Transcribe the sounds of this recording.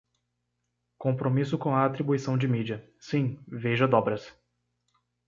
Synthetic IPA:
kõpɾomisʊkõw̃ɐat̪ɾibuisɐ̃w̃d͡ʒɪmid͡ʒiɐ | sĩveʒɐd̪ɔbɾɐs

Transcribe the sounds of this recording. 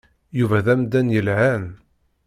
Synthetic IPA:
juvæðæmd̪ænjəlʕæn

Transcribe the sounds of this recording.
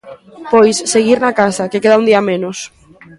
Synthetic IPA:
pojsːeɣ̞iɾnakasakekeðaund̪iamenʊs

